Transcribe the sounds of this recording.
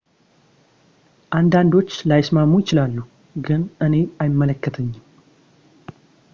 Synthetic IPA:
ʔand̪and̪o̞t͡ʃːlajɪsmamːujɪt͡ʃɪlalːu | ɡɨnʔɨne̞ajɪmːələkːət̪ʰəɲːɪm

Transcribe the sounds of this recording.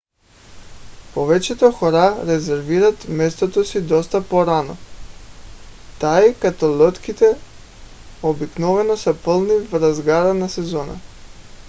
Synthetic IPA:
povɛt͡ʃɛt̪oxɔɾaɾɛzɛɾviɾat̪mɛst̪ot̪osid̪ɔst̪apoɾanɔ̰ | t̪aikat̪olɔt̪kit̪ɛ | obiknɔvɛnɔsapəlˠnivɾazɡaɾanasɛzɔna̰

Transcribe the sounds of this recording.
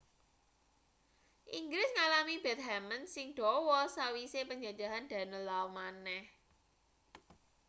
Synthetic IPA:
ʔiŋɡɾɪsŋalamib̥ɛt̪̚ɦɛmənsɪŋd̥ɔwɔsawisepəɲd͡ʒḁd͡ʒa̤ɦand̪̥ä̤nəlawmanɛh

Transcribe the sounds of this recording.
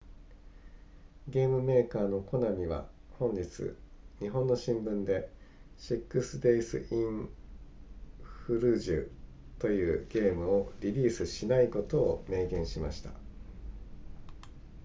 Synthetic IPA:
ɡe̞ːmɯ̟me̞ːkaːno̞ko̞namʲiβ̞a̰hõ̞ɲ̟d͡ʑit͡sɨ̰ɲ̟iɦõ̞nːo̞ɕĩmbɯ̟̃nd̪e̞ɕikːɯsɨd̪eisɨ̰ʔĩ | ɸɯ̟ɾɯ̟ʑɨ̰ | t̪o̞jɯ̟ːɡ̥e̞ːmɯ̟o̞ɾʲiɾʲiːsɨɕinaiko̞t̪o̞ːme̞ːɡẽ̞ɰ̃ɕima̰ɕi̥t̪a̰

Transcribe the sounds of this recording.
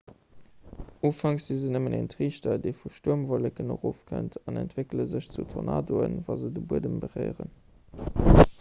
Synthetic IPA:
oːfɑŋszizənəmənʔentʁiːʃtɐdeɪfuʃtuəmvolekənoʁoːfkʰə̰ntʰɑnæntv̥ekləzəɕt͡sutʰonɑ̰ːdoə̰nvɑzədəbuədəmbəʁɜɪʁə̰n

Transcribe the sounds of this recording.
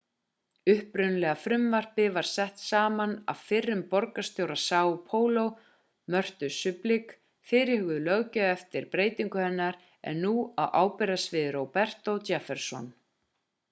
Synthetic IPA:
ʏhpɾʏnlɛɣafɾʏmvar̥pɪvaɾ̥sɛht̪saːmana̰vfɪrːʏmpɔɾkast̪jowɾasaːwpʰoːwlow | mœr̥t̪ʏsʏplik | fɪːɾɪhʏɣʏlœɣcœɛft̪ɪɾpɾeːjt̪iŋkʏhɛnːaɾ | ɛ̰nːuawʔaːwpɛɾasvɪðɾowpɛr̥t̪owt̪afɛɾ̥sɔ̰n

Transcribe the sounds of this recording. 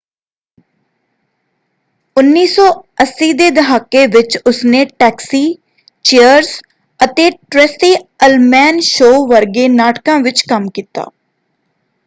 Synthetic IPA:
ʊnːiːsɔːəsːiːd̪eːd̪əɦaːkeːʋɪt͡ʃʊsneːʈɛːksiː | t͡ʃejəɾz | ət̪eːʈɾɛsiːəlmɛːnʃoːʋəɾɡeːnaːʈkãːʋɪt͡ʃkəmkiːt̪a̰ː

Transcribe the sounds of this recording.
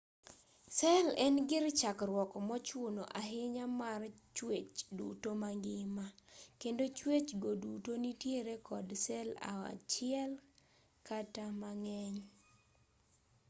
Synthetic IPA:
sɛlɛnɡɪrt͡ʃakrwɔkɔmɔt͡ʃʊnoʔaɦɪɲamar | t͡ʃwet͡ʃdṵtomaŋɡɪmakendot͡ʃwet͡ʃɡodutonitjeɾekɔdsɛla̰a̰t͡ʃɪɛl | katamaŋɛɲ

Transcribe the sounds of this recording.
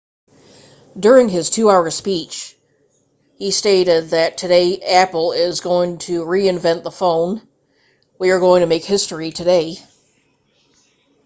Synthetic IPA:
dʊɹɪ̃ŋɪz̥tʰʉaʊə̥˞spit͡ʃ | histeɪɾɪd̪̚ðɨtʰɨɾeɪæpl̩ˠɪzɡoʊɪ̃ŋtʰɨɹiɨ̃ɱvɛ̃nðəfõʊ̃n | wiə˞ɡoʊɪ̃ŋtʰɨmeɪkhɪstɹitʰɨdeɪ

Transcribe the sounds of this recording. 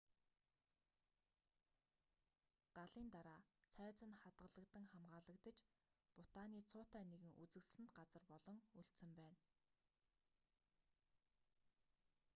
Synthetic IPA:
ɢ̥aɮiːnt̪aɾaːt͡sʰæːt͡sə̆nχat̪ɢə̆ɮə̆kt̪ə̆ŋχamɢaːɮə̆kt̪ə̆t͡ɕ | pʊt̪aːniːt͡sʰʊːt̪æːneɣɘ̆ŋʔut͡sɘ̆ksɮɘ̆nt̪ɢat͡sə̆rpɔɮɞ̆ŋuɬt̪sɘ̆mpæːn

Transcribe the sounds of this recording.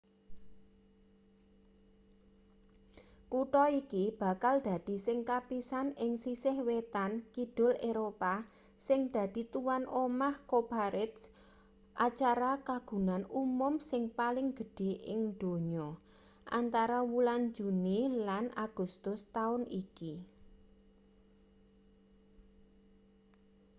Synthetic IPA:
kuʈɔikib̥a̤kald̥̪ä̤d̪̥i̤sɪŋkapisanɪŋsisɪhwet̪ankid̥ʊ̤leɾopa | sɪŋd̪̥a̤d̪̥i̤t̪uwanʔomahkobaɾɪt̪s | ʔat͡ʃaɾakaɡ̥ṳnanumʊmsɪŋpalɪŋɡ̥ə̤ɖ̥e̤ʔɪŋd̪̥o̤ɲɔ | ʔa̰nt̪aɾawuland͡ʒṳnilana̰ɡ̥ṳst̪ʊst̪aʊniki

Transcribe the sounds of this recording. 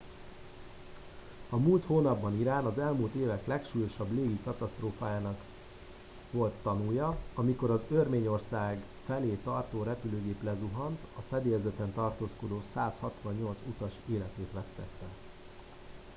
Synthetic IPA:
ɒmult̪hoːnɒbːɒniɾaːnɒzɛlmult̪eːvɛklɛkʃuːjo̞ʃɒbleːɡikɒt̪ɒst̪roːfaːjaːnɒk | ʋo̞lt̪ːɒnujɒɒmiko̞ɾɒzørmeːɲo̞rsaːɡ | fɛleːt̪ɒrt̪oːɾɛpyløːɡeːplɛzuɦɒnt̪ɒfɛd̪eːjɛzɛt̪ɛnt̪ɒrt̪oːsko̞d̪oːsaːshɒt̪ʋɒɲːo̞lt̪sut̪ɒʃeːlɛt̪eːt̪ʋɛst̪ɛ̰t̪ːɛ

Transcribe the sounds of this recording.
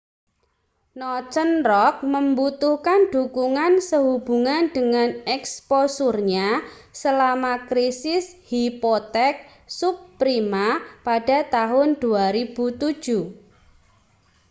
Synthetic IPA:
nɔt͡ʃənrɔk̚məmbut̪uhkanɖ̥ukuŋansəɦub̥uŋanɖ̥əŋanɛksposurɲasəlamakɾisɪshipot̪ɛk̚ | supːɾimapada̤t̪aɦʊnd̥uaɾib̥ut̪u̥ʒ̥u

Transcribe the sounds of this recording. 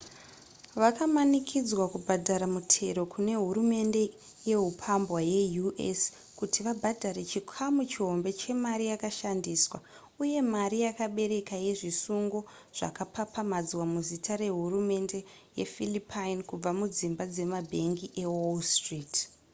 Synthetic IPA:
ʋakamanikʰid͡zwakubʱadʱaɾamutʰe̞ɾo̞kʰune̞ɦuɾume̞nde̞ | je̞ɦupʰambwaje̞juʔḛs | kutʰiʋabʱadʱaɾe̞t͡ʃikʰamut͡ʃiɦo̞mbe̞t͡ʃe̞maɾijakaʃandiːswa | uje̞maɾijakaɓe̞ɾe̞kaje̞ʐisuŋɡo̞ | ʐ̥a̰kapʰapamad͡zwamuzitʰaɾe̞ɦurume̞nde̞ | jḛfilipʰajinkub͡vamud͡zimbad͡ze̞mabʱe̞ŋɡiʔe̞wolstriːt

